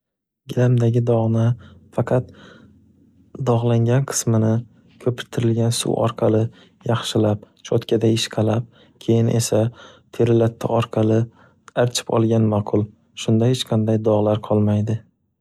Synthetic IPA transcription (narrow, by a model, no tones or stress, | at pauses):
ɡʲɪlamd̪aɡʲɪd̪ɒʁnɪfɑqʰɑt̪ | d̪ɒʁlˠaŋɡʲanqʰɨ̥smɪnɪ | kʲʰɵpʰɪɾt̪ʰɪɾɪlɡʲansṵwʔɒ̰ɾqʰɑlɪ | jɑχʃɪlap̚ | t͡ʃʰɒt̪kʲad̪aɪʃqʰɑlap̚ | kʲʰe̞jɪnʔe̞sat̪ʰe̞ɾɪlat̪ʰːa̰ʔɒɾqʰɑlɪ | aɾt͡ʃʰɪ̥pɒ̰lˠɡʲanmaqʰʊlˠ | ʃʊnd̪ahet͡ʃqʰɑnd̪ajd̪ɒʁlˠaɾqʰɒlˠmajd̪ɪ